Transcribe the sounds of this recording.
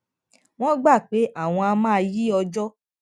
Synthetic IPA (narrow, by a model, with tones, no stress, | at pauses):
w̃ɔ̃˦ɡ͡ba˦˨k͡pe˨˦ʔa˦˨w̃ɔ̃˧a˧mãː˦˧ji˦ɔ˧d͡ʒɔ˦